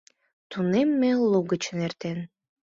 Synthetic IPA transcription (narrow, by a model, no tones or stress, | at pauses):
t̪unemːelˠuɡət͡ɕənert̪en